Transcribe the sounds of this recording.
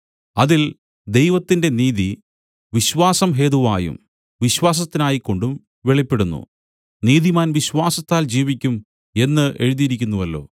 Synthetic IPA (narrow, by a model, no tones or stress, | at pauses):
ɐðil | d̪e̞jʋɐt̪ːinde̞niːði | ʋiɕʋaːsɐmɦe̞ːðuʋa̰ːjṵm | ʋiɕwaːs̬ɐt̪ːinaːjikːo̞ɳɖum | ʋeɭipːeɽunːṵ | niːðimaːnʋiɕʋaːsɐt̪ːaːld͡ʑiːʋikʲːum | e̞nːɨʔe̞ɻuðijiɾikʲːunːuʋɐlːo̞̰ː